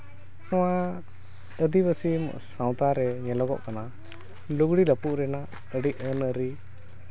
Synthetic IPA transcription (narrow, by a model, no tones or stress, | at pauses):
sɔwa | əd̪ibəsim̰ʔsaw̃t̪aɾɛɲɛlɔɡɔ̰ʔkana | luɡɽiləpuʔɾɛna | əɖiʔənəɾi